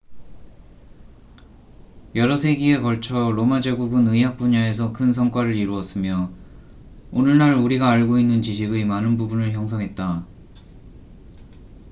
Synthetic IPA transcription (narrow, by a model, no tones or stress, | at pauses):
jʌɾʌsʰe̞ɡie̞kʌɭt͡ɕʰʌɾomad͡ʑeɡuɡɯnɯɦak̚p͈uɲae̞s̬ʰʌkʰɯnsʰʌŋk͈waɾɯɾiɾuʌs͈ɯmjʌ | onɯɭnaɾuɾiɡaːɭɡoinːɯnt͡ɕiɕʰiɡɯmanɯnbubunɯɭçjʌŋs̬ʰʌŋɦe̞t̚t͈a